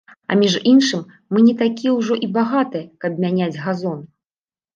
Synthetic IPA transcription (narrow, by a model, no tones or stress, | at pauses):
ɐ̰mʲiʐinʂɨmː | ɨnʲɛt̪akʲijɛwʐɔʔibaɣat̪ɨjɛkɐb̚mʲanʲad͡zʲɣazɔn